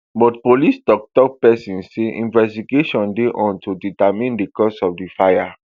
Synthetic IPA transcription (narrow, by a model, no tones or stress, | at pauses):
bɔtpolistɔk̚tɔk̚pɛsĩnseʔḭ̃nvɛstiɡeʃɔ̃ndeʔɔ̃ntʰuditamĩndikɔsɔfdifaja